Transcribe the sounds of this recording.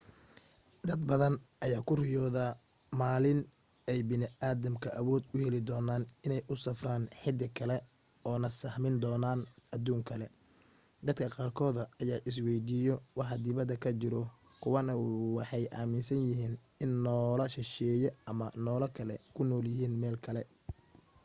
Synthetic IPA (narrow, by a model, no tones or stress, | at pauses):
d̪ɐd̪bɐðɐnʔɐjaːkʰʊrɪjɔːða | maːlɪn | ɛjbɪnɪaːðɐmkʰɐʔɐwɔːd̪ʊhɛlɪd̪ɔːnaːnɪnɛjʔʊsɐfraːnħɪd̪ɪkʰɐlɛ | ɔːnɐsɐhmɪnd̪ɔːnaːnɐd̪uːŋkʰɐlɛ | d̪ɐd̪kʰɐqɑːrkʰɔːðɐɐjaːʔɪs̬wɛjd̪ijɔwɑħɑd̪ɪβɐd̪ɐkʰɐt͡ʃɪɾɔkʰʊwɐnɐwɑħɑjʔa̰ːmɪnsɐnjɪɦiːn | ɪnːɔːlɐʃɪʃɛːjɔɐmɐnɔːlɐkʰɐlɛkʰʊnɔːljɪɦiːnmɛːlkʰɐlɛ